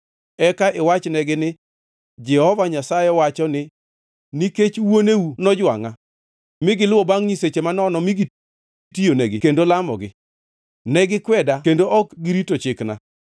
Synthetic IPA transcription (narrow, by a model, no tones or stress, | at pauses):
ɛkaʔɪwat͡ʃnɛɡɪnɪ | d͡ʒɛhɔvaɲasajɛwat͡ʃɔnɪ | niket͡ʃwonewunɔd͡ʒwa̰ŋa | mɪɡɪlʊwobaŋɲiset͡ʃemanɔnɔmɪɡi | tioneɡɪkendolamɔ̰ɡɪ | nɛɡɪkwɛdakendoʔɔkɡɪɾitot͡ʃɪkna̰